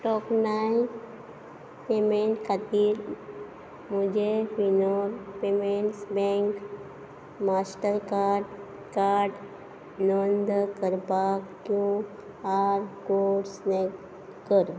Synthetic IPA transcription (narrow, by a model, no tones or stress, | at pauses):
ʈɔknajĩ | pemẽɳʈkʰat̪iɾ | mud͡ʒepinoɾpemeɳʈsbẽŋk | masʈəɾka | kaɾɖ | nond̪kəɾbakkːjũ | aɾkoʈsne | kəɾ